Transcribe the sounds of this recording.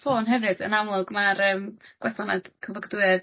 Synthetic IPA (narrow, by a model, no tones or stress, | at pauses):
foːnɦɛvɨd̥ə̰namlˠʊɡmaɾəːmɡ̥wɛθɔnad̥kʰəvɔɡduɨð